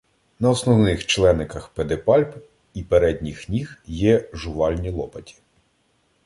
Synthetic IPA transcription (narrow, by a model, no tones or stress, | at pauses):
nɐɔsnɔwnɪxt͡ʃlˠɛnɪkɐxped̪epɑlʲp | ipeɾɛd̪ʲnʲixnʲixjɛʒʊʋɑlʲnʲilˠɔpɐtʲi̥